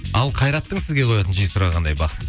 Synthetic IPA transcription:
ɑlˠqʰɑjɾɑt̪ːəɴsɪzɡʲeqʰo̞jɑt̪ənʒijsʊɾɑʁɑnd̪ɑjbɑ

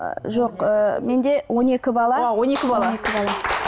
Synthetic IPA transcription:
ʒo̞qəme̞nd̪e̞wo̞ne̞kʲɪbɑlˠɑwonekʲɪbɑlˠonekʲɪbɑlˠɑ

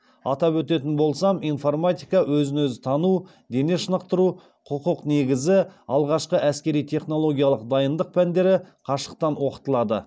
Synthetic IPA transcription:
ɑt̪ɑpwɵt̪e̞t̪ɪnbo̞lˠsɑmijnfo̞rmat̪ʲijkɑwɵzɪnɵzɪt̪ʰɑnu | d̪e̞ne̞ʃənəq̚t̪əɾu | qʰʊqʊqne̞ɡʲɪzɪɑlˠʁɑʃqəʔæskʲe̞ɾijt̪ʰe̞χno̞lˠo̞ɡʲijalˠəqd̪ɑjənd̪əq̚pʰænd̪e̞ɾɪqʰɑʃə̥q̚t̪ɑnwo̞qə̥t̪əlˠɑd̪ə̰

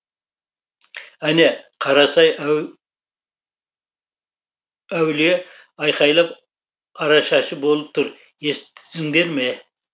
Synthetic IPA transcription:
æneqʰɑɾɑsɑj | æwle | ɑjqɑjlˠɑp | ɑɾɑʃɑʃəbo̞lˠəp̚t̪ʰʊɾ | est̪sɪŋd̪e̞ɾme

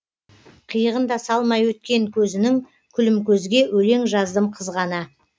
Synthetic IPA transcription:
qʰijəʁənd̪ɑsɑlˠmɑjwɵt̪̚kʲe̞ŋkʲʰɵzɪnɪŋ | kʲʰʏlɪmkʲʰɵzɡʲe̞wʔɵle̞ŋʒɑzd̪əmqʰəzʁɑnə

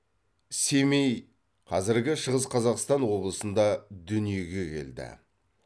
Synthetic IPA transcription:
se̞mej | qʰɑzɪɾɡʲɪʃəʁəsqʰɑzɑqst̪ɑnwo̞blˠəsənd̪ɑd̪ʏnije̞ɡʲe̞kʲʰe̞̰ld̪ɪ̰

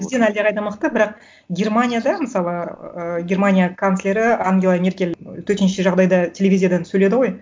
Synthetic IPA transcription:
bɪzd̪e̞næld̪e̞qʰɑjd̪ɑməqt̪əbɪɾɑq̚ | ɡʲe̞rmanʲijad̪ɑməsɑlˠəəɡʲe̞ɾmanʲijakʰanslʲe̞ɾɪaŋɡʲelˠamʲe̞rkʲe̞lt̪ʰɵɾt̪enʃeʒɑʁd̪ɑjd̪ɑt̪ʲʰe̞lʲe̞vʲizʲijad̪ɑnsɵle̞d̪ɪʁo̞j

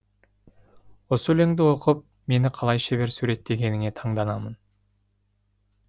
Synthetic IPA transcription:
wosəɵleŋd̪ɪwo̞qəp̚ | me̞nɪqʰɑlˠɑjʃeβe̞ɾsuɾe̞t̪ːe̞ɡʲe̞nɪŋe̞t̪ʰɑɴd̪ɑnɑmən

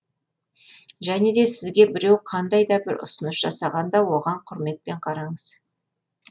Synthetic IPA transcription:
ʒæne̞d̪e̞sɪzɡʲe̞bɪɾe̞wqʰɑnd̪ɑjd̪ɑbɪɾʔʊ̰sənəsʒ̥ɑsɑʁɑnd̪ɑwo̞ʁɑɴqʰʊɾme̞t̪̚pe̞ɴqʰɑɾɑɴəz̥

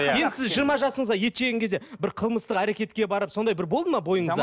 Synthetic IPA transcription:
je̞nd̪ɪsɪzʒijəɾmɑʒɑsəɴəzʁɑje̞t̪ʃeɡʲeŋkʲezd̪e̞bɪɾqʰəlˠməst̪əqæɾekʲe̞t̪kʲe̞bɑɾəp̚so̞nd̪ɑjbɪɾbo̞lˠd̪əmɑbo̞jəɴzɑ

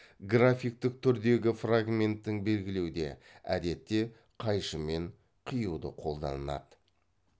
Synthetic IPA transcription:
ɡrafijk̚t̪ɪk̚t̪ʰʏɾd̪e̞ɡʲɪfraɡmʲe̞nt̪ːɪŋbe̞lɡʲɪle̞wd̪e̞̰ | æ̰d̪e̞t̪ːe̞ | qʰɑjʃəme̞ɴ | qʰijəwd̪əqʰo̞lˠd̪ɑ̰nənɑ̰d̪

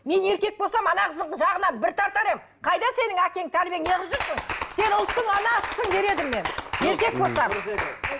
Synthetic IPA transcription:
me̞ne̞ɾkʲe̞k̚bolˠsɑmɑnɑqʰəzəɴəʒɑʁənɑbɪɾt̪ʰɑɾt̪ɑɾem | qʰɑjd̪ɑse̞nɪŋækʲe̞ɪŋt̪ʰæɾbʲijeŋjeʁəpʒʏɾsəŋse̞nʊlˠt̪ːəɴɑnɑsʰə̥səŋbe̞ɾe̞d̪ɪmme̞nje̞ɾkʲe̞k̚bo̞lˠsɑm

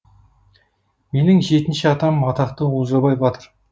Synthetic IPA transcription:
me̞nɪŋʒe̞t̪ɪnʃɪɑt̪ɑmːɑt̪ɑqt̪əwozəɾbɑjbɑt̪əɾ

